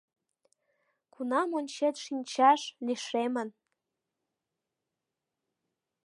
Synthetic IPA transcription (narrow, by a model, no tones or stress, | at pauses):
kʰunɑmonʲt͡ɕet̪ʃinʲt͡ɕɑʃliʃemən